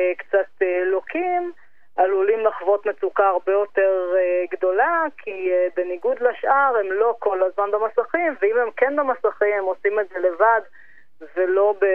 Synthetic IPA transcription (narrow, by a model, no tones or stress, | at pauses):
kt͡sat̪elokʰim | alulimlaχvo̞t̪met͡sukaaʁbejo̞teʁeɡd̪o̞lakʰiebeniɡud̪laʃʔaʁemlo̞ko̞lazmanbemasaχimveimemkenbemasaχimhemo̞simeze̞le̞vad | velo̞be